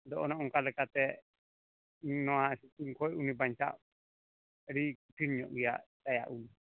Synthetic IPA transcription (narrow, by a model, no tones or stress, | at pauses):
d̪ɔʔɔnɔʔɔŋkalɛkat̪ɛ | nɔwasituŋkʰɔjunibaɲt͡ʃa̰ʔ | ɾikuʈʰinɲɔ̰ʔujaʔt̪aja̰ʔum